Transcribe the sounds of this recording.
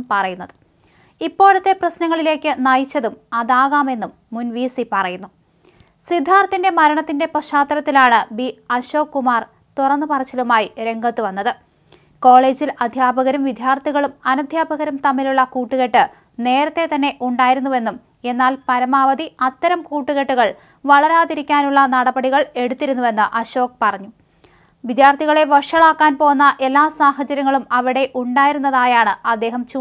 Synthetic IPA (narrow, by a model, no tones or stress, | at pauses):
pɐrɐjunːɐðɨ | ipːo̞ːɭut̪ːe̞prɐsnɐŋːɐɭile̞ːkːɨnɐjit͡ɕːɐðumɐðaːɣaːme̞nːumːunʋiːsipɐrɐjunːu | sid̪ʱːaːrt̪ːinde̞mɐɾɐɳɐt̪ːinde̞prɐɕaːt̪ːɐɾɐt̪ːilaːɳɨbiɐɕo̞ːkːumaːr | t̪urɐnːɨpɐrɐt͡ɕːɐlumaːjiɾe̞ŋɡʱɐt̪ːɨʋɐnːɐðɨ | ko̞ːɭe̞ːd͡ʑilɐd̪ʱjaːbʱɐɣɐɾɐmʋid̪ʱjaːrt̪iɣɐɭumɐnɐd̪ʱjaːbʱɐɣɐɾɐmt̪ɐmːiluɭːɐkuːʈːuɣeʈːɨ | ne̞ːɾɐt̪ːe̞t̪ɐnːe̞ʔuɳɖaːjiɾunːuʋe̞nːum | e̞nːaːlpɐɾɐmaːʋɐd̪iɐt̪ːɐɾɐmkuːʈːuɣeʈːuɣɐɭ | ʋɐɭɐɾaːðiɾikʲːaːnuɭːɐnɐɽɐbɐɽiɣɐɭe̞ɽut̪ːiɾunːuʋe̞nːɨʔɐɕo̞ːk̚pɐrɐɲːu | ʋid̪jaːrt̪ʰiɣɐɭe̞ʋɐʂɐɭaːkːaːnpo̞ːnːɐʔe̞lːaːsaːɦɐt͡ɕɐɾjɐŋːɐɭumɐʋiɽe̞ʔuɳɖaːjiɾunːɐðaːjaːɳɨɐd̪ːe̞ːɦɐmt͡ɕu